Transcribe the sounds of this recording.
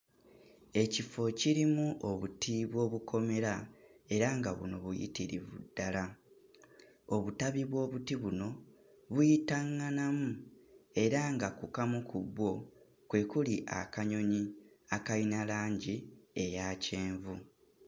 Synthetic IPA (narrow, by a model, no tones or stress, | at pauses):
e̞cifo̞ciɾimuʔoβutiβwo̞ːβukʰo̞me̞ɾae̞ɾaŋɡaβṵno̞βujḭtiɾḭβṵdːala | o̞βutaβiβwo̞ːβutiβuno̞ | βujitaŋːanamue̞ɾaŋɡakukamukubwo̞ | kwe̞kuliʔa̰kaɲo̞ɲi | akainalaːɲɟie̞jaːce̞ːɱvu